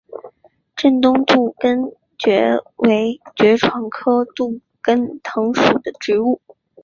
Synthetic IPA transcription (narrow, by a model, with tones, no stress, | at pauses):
ʈ͡ʂə˥˩nt̪ʊ˥ŋt̪u˥˩kə˥n | t͡ɕɥɛ˧˥we˧˥ɪt͡ɕɥɛ˧˥ʈ͡ʂʰwɑ˧˥ŋkʰɤ˥t̪u˥˩ | kə˥nt̪ʰɤ˧˥ŋʂu˨˩d̪ə˦ʈ͡ʂɻ̩˧˥u˥˩